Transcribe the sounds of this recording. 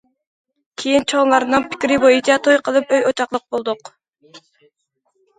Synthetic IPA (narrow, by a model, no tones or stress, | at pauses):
kʲʰejint͡ʃʰonlˠɑɾnɨŋpʰɪ̥kʲɾɪbojit͡ʃʰɑt̪ʰojqʰəlˠɨpøjot͡ʃʰɑχlˠəq̚bolˠd̪ʊq